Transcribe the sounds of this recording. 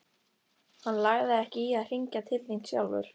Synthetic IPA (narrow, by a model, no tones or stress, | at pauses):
hanːlaɣðɪɛhcɪiaðr̥iɲcat̪ʰɪlːin̥t̪sja̰wlvʏ̰ɾ̥